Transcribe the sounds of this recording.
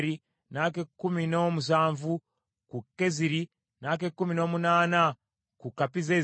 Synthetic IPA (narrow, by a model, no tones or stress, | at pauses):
ɾi | nak̬ekːuminomus̬aːɱvu | kukeziɾi | nak̬ekumino̞munaːna | kukapize